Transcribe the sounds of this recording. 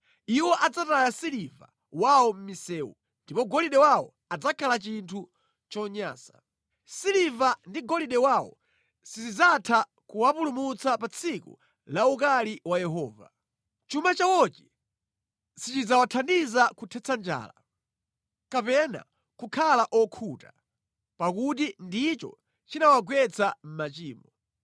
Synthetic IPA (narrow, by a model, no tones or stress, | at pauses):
iwɔʔad͡zatajasiliva̰ | wawɔm̩misɛːwṵ | ndipɔɡɔliɗɛwawɔ̰ | ad͡zakʰalat͡ʃintʰu | t͡ʃɔɲa̰ːsḁ̰ | silivandiɡɔliɗɛwawɔ̰ | sizid͡zatʰa | kuwapulumut͡sapat͡sʰikṵ | laukaliwajɛɦɔːva̰ | t͡ʃumat͡ʃawɔt͡ʃi̥ | sit͡ʃid͡zawatʰandizakutʰɛt͡sʰand͡ʒa̰ːla | kapɛna̰ | kukʰalaʔɔkʰuta | pakut̬indit͡ʃɔ̰ | t͡ʃinawaɡwɛt͡sam̩mat͡ʃiːmɔ